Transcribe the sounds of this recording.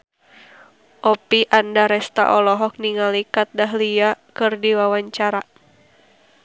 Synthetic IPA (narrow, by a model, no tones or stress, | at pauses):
ʔɔpiʔandaɾɛst̪a̰ʔɔlɔɦɔk̚niŋalikat̪̚daɦliakɨrdiwawaɲt͡ʃaɾa